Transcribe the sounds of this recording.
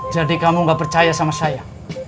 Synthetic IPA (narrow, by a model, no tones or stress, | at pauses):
d͡ʒadikamuŋɡapərt͡ʃajasamasaja